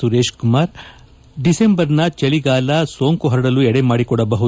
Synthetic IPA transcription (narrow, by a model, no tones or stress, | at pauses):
uɾeːʃkumaːɾ | ɖisembɐɾnɐt͡ʃeliɡaːlɐsoːŋkuɦɐɾɐɽɐluɛɽemaːɽikɔɽɐbɐɦu